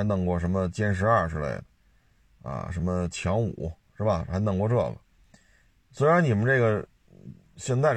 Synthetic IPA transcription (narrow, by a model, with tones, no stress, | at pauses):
ɪnɤ˧˩ŋkwɔ˥˩ʂə˧˥mə˧t͡ɕjɛ˥nʂ̬ɻ̩˧˥ɐ˞˥˧˩ʈ͡ʂɻ̩˧˥lḛ˥˩ɪd̪ə˩ | a̰˧˩ʂə˧˥nmə˧t͡ɕʰjɑ˧˥ŋṵ˨˩˦ʊʂɻ̩˥˩ba˩xa˧˥ɪnɤ˨˩ŋkwɔ˥˧ʈ͡ʂɤ˥˩lə̰˩ | swe˧˥ɪɻa˧˥nni˨˩mə˦nʈ͡ʂe˥˩ɡə˩ | ɕjɛ˥˧nt̪a˥˩ɪ